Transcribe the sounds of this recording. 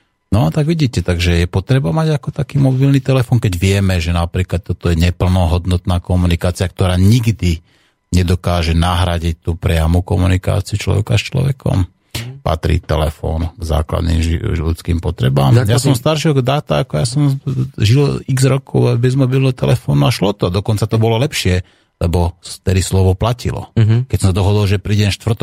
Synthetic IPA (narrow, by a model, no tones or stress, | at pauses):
nɔat̪aɡʋiɟiːcɛt̪aɡʒɛjɛpɔt̪ɾɛbamaɟakɔt̪akiːmɔbilnit̪ɛlɛfɔːnkɛɟʋɪɛmɛʒɛnapɾiːklat̪ːɔt̪ɔjɛɲɛpl̩nɔɦɔd̪nɔt̪naːkɔmunikaːt͡sɪak̚t̪ɔɾaːɲiɡd̪i | ɲɛd̪ɔkaːʒɛnaɦɾaɟic̚t̪uːpɾɛamukɔmunika̰ːt͡siut͡ʃlɔ̰ʋɛ̰kast͡ʃlɔ̰ʋɛkʰɔ̰m | pa̰t̪ɾḭːt̪ɛlɛfɔ̰ːnɡza̰ːkla̰d̪nḭːmlut͡skiːmpɔt̪ɾɛba̰ːmjasɔmst̪aɾʃilɡd̪aːt̪aːkɔjasɔmʒiliɡzɾɔkʰɔʊabɛzmɔbilnɔt̪ɛ̰lɛfɔːnuaʃlɔt̪ɔd̪ɔkɔnt͡sat̪ɔbɔlɔlɛpʃɪɛ | lɛbɔst̪ɛd̪islɔʋɔplacilɔ̰kɛcsɔmsad̪ɔɦɔd̪ɔlʒɛpɾiːɟɛnaʃt̪ʋr̩t̪ɔ